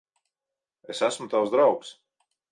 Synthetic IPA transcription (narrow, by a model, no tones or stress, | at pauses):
esæsmut̪awzd̪ɾawks